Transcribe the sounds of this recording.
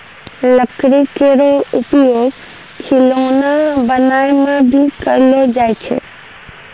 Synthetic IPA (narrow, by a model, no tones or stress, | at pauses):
ləkɾikeɾoʊpjoːɡ | kʰɪloːnabənaːemẽbʱikəɾlod͡ʒaːet͡ʃʰḛː